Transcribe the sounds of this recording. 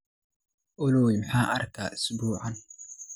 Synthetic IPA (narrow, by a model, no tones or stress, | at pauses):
ʔʊloːɪmħaːʔɐɾkaːʔʊ̥sbuːʕan